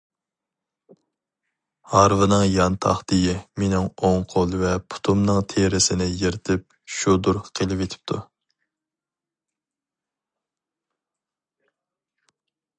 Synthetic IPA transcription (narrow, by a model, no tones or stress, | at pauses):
hɑɾvɨnɨŋjɑnt̪ʰɑ̰χd̪ejimenɪŋoŋqʰolˠvɛpʰu̥t̪ʰumnɨŋt̪ʰeɾɪsɪnɪjeɾɪt̪ʰɪp̚ | ʃud̪uɾqʰelˠɪpet̪ʰɪ̥p̚t̪ʰu